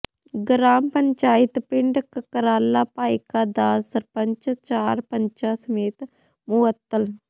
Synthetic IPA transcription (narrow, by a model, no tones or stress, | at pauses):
ɡɾaːmpəɲt͡ʃaːɪt̪pɪɳɖkəkəɾaːlːaːpaːikaːd̪aːsəɾpəɲt͡ʃt͡ʃaːɾpəɲt͡ʃasəmeːt̪ | mʊʋət̪ːəl